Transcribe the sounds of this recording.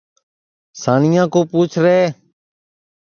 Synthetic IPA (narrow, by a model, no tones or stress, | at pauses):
saːɳɪjãːkoːpuːt͡ʃʰɾeː